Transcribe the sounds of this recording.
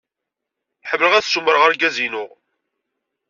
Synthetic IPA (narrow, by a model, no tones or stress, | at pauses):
ħəvləʁæθsuməɾəʁəɾɡæzinʊʁ